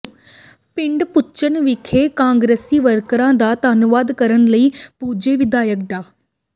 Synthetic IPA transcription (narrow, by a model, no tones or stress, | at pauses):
pɪ̃ɳɖpʊt͡ʃənʋɪkʰeːkãːŋɡɾeːsiːʋəɾkɾãːd̪aːt̪aːnʊʋaːd̪kəɾənləiːpuːd͡ʒeːʋɪd̪aːjək̚ɖaː